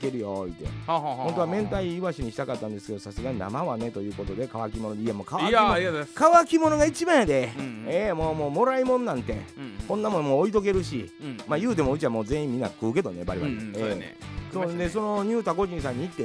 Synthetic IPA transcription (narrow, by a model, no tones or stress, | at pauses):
keɾɯ̟joit̪ːḛhhont̪o̞amẽ̞nt̪aiɯβaɕiɲ̟iɕi̥t̪akat̪ːãnd̪e̞sɨ̥ke̞d̪osasɨɡaɲ̟ina̰maβane̞t̪o̞jɯ̟ːko̞t̪o̞d̪e̞kaβak̬ʲimo̞nod̪eiemːokaβakkaβakʲimo̞no̞ɡait͡ɕibaed̪e̞emoːmo̞ːmo̞ɾaimõ̞nːãnt̪e̞kõ̞nːamõmoːit̪o̞k̬e̞ɾɯ̟ɕimaːjɯ̟ːt̪̬e̞mo̞ɯ̟t͡ɕiβamoːze̞ĩmʲːĩnːa̰kɯ̟ːke̞d̪o̞ne̞ba̰ɾʲiβa̰ḛːsoːd̪e̞so̞no̞ɲ̟ɨːt̪ako̞ʑĩsãɲ̟ːiit̪ːe